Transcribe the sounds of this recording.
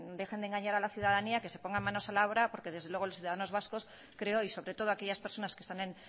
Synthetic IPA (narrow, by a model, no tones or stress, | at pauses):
d̪e̞xend̪eŋɡaɲaɾalaθjuð̞að̞aniakese̞po̞ŋɡamãno̞salaoβɾapo̞ɾke̞ðezðe̞lwe̞ɣ̞olosθjuðaðanozβasko̞s | kɾe̞oiso̞βɾe̞t̪o̞ð̞oake̞ʝaspe̞ɾso̞naskest̪anẽ̞n